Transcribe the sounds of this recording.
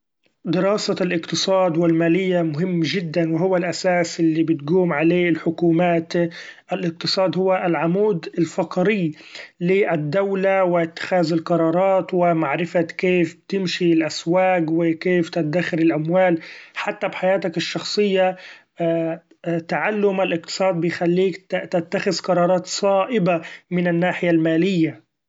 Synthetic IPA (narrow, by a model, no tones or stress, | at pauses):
d̪ɪɾɑːsalʔɪqt̪ɨsˤɑːd̪wɪlmaːlɪjːamʊɦɪmːʒɪd̪ːanwɪɦʊwːalʔasaːsʔɪlːibɪt̪ɡuːmʕaleːɪlħʊkuːmaːt̪ʔɪlʔɪq̚t̪ɨsˤɑːd̪hʊwːaʔɪlʕamuːd̪ɪlfɑqɾɪlɪʔɪd̪ːawlawɪt̪ːɪ̥xaːzɪlqɑɾˤɑːɾˤɑːt̪wɪmaʕɾɪfakeːfbt̪ɪmʃilʔaswaːkwɪkeːft̪ɪd̪axɪɾɪlʔamwaːlħat̪ːabħajaːt̪akɪʃːɑxsˤɨjːa | t̪aʕalːʊmalʔɪq̚t̪ɨ̥sˤɑːd̪̚bɪjxalːiːkt̪at̪ːaxɪzqɑɾˤɑːɾˤɑːt̪sˤɑːʔɪbamɪnɪnːaːħɪjalmaːlɪjːa